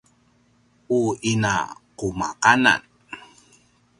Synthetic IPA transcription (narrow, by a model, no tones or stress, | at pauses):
uina̰quma̰qana̰n